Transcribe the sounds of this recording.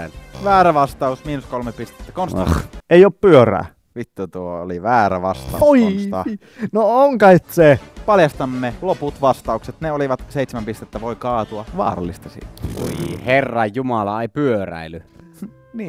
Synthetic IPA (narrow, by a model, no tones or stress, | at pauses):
ʋæːɾæʋɑst̪ɑusmiːnuskolmepist̪e̥t̪ːækonsɑ̰eˑioːppyøræ̰ː | ʋit̪ːut̪uoo̰liʋæːɾæʋɑst̪ɑ̰uoinsɑ̰ | nooŋkɑet̪sepɑljɑst̪ɑmːeloput̪ʋɑst̪ɑukset̪neoliʋɑt̪seˑit̪semæmpist̪et̪ːæʋoikɑːt̪uɑʋɑ̰ːrɑ̰lːˑist̪ɑsḭːt̪ḭherːɑjumɑlɑeˑipyøræ̰ily | niː